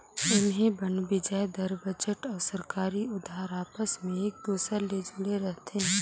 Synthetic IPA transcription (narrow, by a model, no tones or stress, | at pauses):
ʊnɦẽbɐnbɪd͡ʒajd̪ɐɾbɐd͡ʒəʈɔːɾsɐɾkaːɾiʊd̪ʱɦaːɾaːpəsmẽeːk̚d̪uːsɾaled͡ʒʊɽeɾɛɦt̪eɦɛ̃